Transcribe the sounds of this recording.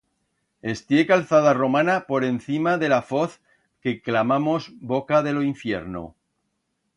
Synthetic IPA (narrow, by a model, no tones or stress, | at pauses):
e̞st̪jekalθað̞aro̞mãnapo̞ɾe̞nθimaðe̞lafo̞θ | ke̞klamamozbokaðe̞loiɱfje̞̰ɾno̰